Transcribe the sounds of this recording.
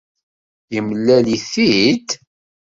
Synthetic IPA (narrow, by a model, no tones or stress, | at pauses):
jəmlːæliθid̪